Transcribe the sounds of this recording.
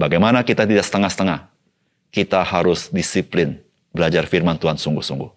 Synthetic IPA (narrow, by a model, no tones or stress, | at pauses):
baɡajmanakit̪at̪idaksə̥t̪əŋahsə̥t̪əŋah | kit̪ahaɾʊsdisiplɪn | bəlad͡ʒarfirmant̪uansuŋɡuhsuŋɡuh